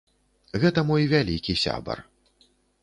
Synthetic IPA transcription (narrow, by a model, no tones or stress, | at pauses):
ɣɛt̪ɐmɔjvʲalʲikʲisʲa̰bɐ̰r